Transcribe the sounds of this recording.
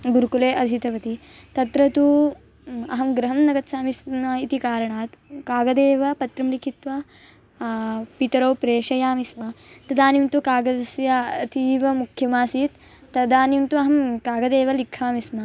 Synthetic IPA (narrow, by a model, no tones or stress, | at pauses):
ɡuɾkuleːʔɐɾʃit̪ɐʋɐt̪i | t̪ɐt̪ɾɐt̪u | ɐ̰ɦɐmɡɾɐɦɐmnɐɡɐt̪saːmismɐit̪ikaːɾɐɳaːt̪kaːɡɐd̪eːʋɐpɐt̪ɾɐmlikʰit̪ʋɐ | pit̪ɐɾɐwpɾeːʂɐjaːmismɐt̪ɐd̪aːnimt̪ukaːɡɐɐsjat̪iːʋɐmukʰjɐmaːsiːt̪ː | ɐd̪aːnimt̪uɐɦɐmkaːɡɐd̪eːʋɐlikʰːaːmismɐ